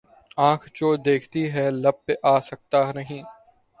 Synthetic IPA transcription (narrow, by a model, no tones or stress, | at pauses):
ãːkʰt͡ʃoːd̪eːkʰt̪iɦɛlɐb̚ːeʔaːsɐk̚t̪anɐɦĩː